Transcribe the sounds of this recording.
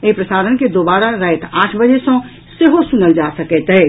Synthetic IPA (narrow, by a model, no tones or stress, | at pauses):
eipɾəsaɾənked̪obaɾaɾəɦet̪ãʈʰbəd͡ʒesə̃ | seɦosunəld͡ʒasəkɛt̪ɛɪ